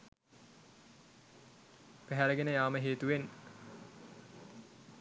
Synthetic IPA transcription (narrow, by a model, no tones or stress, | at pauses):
pæɦæləɡenəjaːməɦeːt̪uʋen